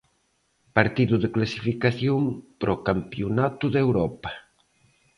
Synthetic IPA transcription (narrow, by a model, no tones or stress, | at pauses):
paɾt̪iðuðeklasifikaθjompɾʔokampjunat̪uðewɾɔpɐ̥